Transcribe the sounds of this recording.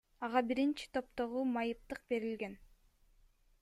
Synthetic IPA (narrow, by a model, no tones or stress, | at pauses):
ɑʁɑbiɾint͡ʃi̥t̪ʰo̞p̚t̪o̞ʁumɑjɯp̚t̪ɯq̚be̞ɾilɡe̞n